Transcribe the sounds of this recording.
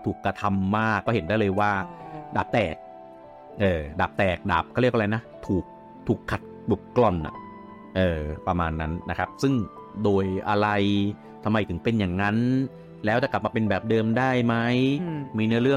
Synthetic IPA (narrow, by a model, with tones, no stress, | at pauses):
t̪ʰuː˨˩kːɾa˧t̪ʰa˧mːaː˥˩kːɔː˥˩ɦe˦ndaː˥˩lɤː˧jwaː˥˩daː˨˩p̚t̪ɛː˨˩k̚ | ʔɤː˨˩daː˨˩p̚t̪ɛː˨˩k̚da̰ː˨˩p̚kʰa˥˩ɾi˥˩kʔla˧jna˦˥t̪ʰuː˨˩k̚ | t̪ʰuː˨˩kʰːa˨˩t̪̚ | u˨˩p̚klɔ˧˩nʔa̰˨˩ | ʔɤː˨˩pɾa˧maː˧nːa˦˥nːa˦˥kʰa˦˥p̚sɯ˥˩ŋ | doː˧jʔa˧ɾa˧j | t̪ʰa˧mːa˧jt̪ʰɯ˩˦ŋpe˧njaː˨˩ŋːa˦˥n | lɛː˦˥wt͡ɕa˨˩kla˨˩p̚maː˧pe˧nbɛː˨˩p̚dɤː˧mdaː˥˩jma˦˥jmiː˧nɯ˥˩˨ɾɯ˥˩ə